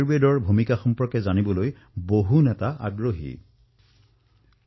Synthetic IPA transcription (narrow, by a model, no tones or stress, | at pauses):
ɹbedɔɹbʱumikaxɔmpɔɹkɛzanibɔloj | boɦunɛtaʔa̰ɡɹoɦḭ